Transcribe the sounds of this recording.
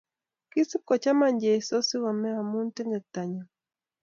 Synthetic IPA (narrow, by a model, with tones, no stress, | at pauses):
ki˦si˦kɔ˨t͡ʃa˦ma˨ɲd͡ʒe˨i˨sɔ˦si˦wa˨mɛ˦a˨mu˦n˦tɛ˦ŋɡɛ˨k̚ta˨ɲa˨